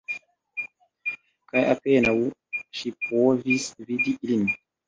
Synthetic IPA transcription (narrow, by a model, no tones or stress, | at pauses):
kajʔapɛːnawuʃipovisvid̪iʔilini